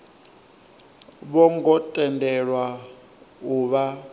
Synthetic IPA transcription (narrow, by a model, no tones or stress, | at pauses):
ɓɔŋɡɔtʼɛndʱɛɺwa | uβa